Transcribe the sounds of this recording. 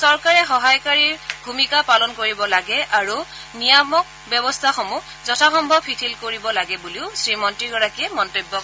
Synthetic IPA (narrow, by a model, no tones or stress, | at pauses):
sɔɹkaɹɛxɔɦajkaɹiɹbʱumikapalɔnkoɹibɔlaɡɛʔaɹu | nijamɔk̚ | bjɔbɔstʰaxɔmu | zɔtʰaxɔmbʱɔbpʰitʰilkoɹibɔlaɡɛbuliʊsɹimɔntɹiɡɔɹakiɛmɔntobːɔk